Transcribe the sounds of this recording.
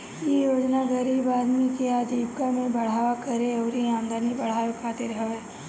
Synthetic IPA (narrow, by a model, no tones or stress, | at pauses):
jejoːd͡ʒnaɡəɾiːbaːd̪mikeaːd̪iːbkamẽbɐɽ̤aːʋakɐɾeɔːɾiãːmd̪aːnibɐɽ̤aːjokʰaːt̪ɪɾɦɐʋeː